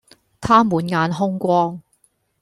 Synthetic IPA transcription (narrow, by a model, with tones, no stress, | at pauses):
t̪ʰaː˥muː˨˧nŋaː˨˧nɦʊ˥ŋkʷɔː˥ŋ